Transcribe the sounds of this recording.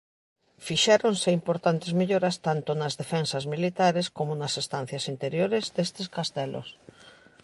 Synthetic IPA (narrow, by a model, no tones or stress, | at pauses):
fiʃɛɾonseimpoɾt̪ant̪ezmeʎoɾast̪ant̪onazðefensazmilit̪aɾeskomonasest̪an̟θjasint̪eɾjoɾezd̪est̪eskast̪elo̰s